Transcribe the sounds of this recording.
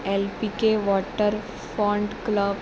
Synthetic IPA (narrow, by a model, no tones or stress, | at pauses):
elpikeʋɔʈəɾ | fɔ̃ɳɖkləb